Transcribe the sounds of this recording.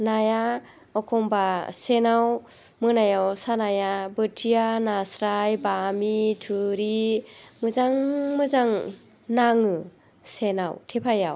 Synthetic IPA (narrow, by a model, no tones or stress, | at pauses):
naja | ɔkʰɔmbasenaw | mɯnajawsanajabɯtʰijanasɾajbamitʰɯɾimɯzaŋmɯzaŋ | naŋɯ | senawtʰepʰaja̰w